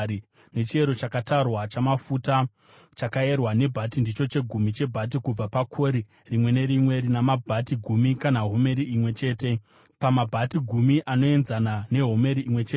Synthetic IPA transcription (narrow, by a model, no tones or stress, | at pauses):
i | ne̞t͡ʃie̞ɾo̞t͡ʃakatarwat͡ʃamafuta | t͡ʃakae̞rwane̞bʱatindit͡ʃo̞t͡ʃe̞ɡʱumit͡ʃe̞bʱat̬ikub͡vapakʰo̞ɾi | rimwe̞ne̞ɾimwe̞ɾinamabʱatiɡʱumikanaɦo̞me̞ɾiimwe̞t͡ʃe̞ːte̞ | pamabʱatiɡʱumiʔano̞e̞nzanane̞ɦo̞me̞ɾiʔimwe̞t͡ʃeː